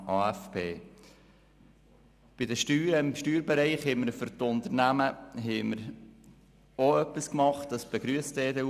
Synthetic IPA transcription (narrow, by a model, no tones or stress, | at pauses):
ʔɑːæfpʰeː | b̥ɪdəʃtyːɾəɪmʃtyːɾbɛɾɛɪχhɛɪməɾfʏɾtʊnt̪əɾnæməɦɛɪməɾ | oœpːiskmɑχtd̥ɑsb̥ɛɡ̥ɾyəstɛːdə